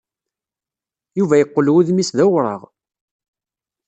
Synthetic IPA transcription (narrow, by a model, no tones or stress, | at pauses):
juvæjəqːlwiðmisðæwɾˤəʁ